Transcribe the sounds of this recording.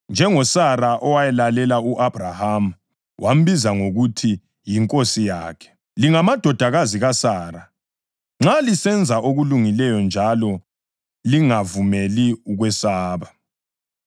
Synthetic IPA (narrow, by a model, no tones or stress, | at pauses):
nd͡ʒʱɛŋɔsaɾaʔɔwajɛlalɛlauʔab̥ʱraham̩ | wʔam̩bizaŋoɣutʰi | jiŋkʼosijaːkʰɛ̥ | liŋamad̥ʱɔd̥ʱaɣaziɣasaːɾa | ŋ͡ǁalisɛnd͡zʱaʔoɣuluŋilɛjɔnd͡ʒʱalɔ | liŋavumeliuɣwɛsaːβa